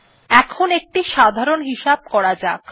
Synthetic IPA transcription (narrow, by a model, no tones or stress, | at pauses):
ɛkʰonek̚ʈiʃad̪ʱaɾonɦiʃab̚kɔɽad͡ʑak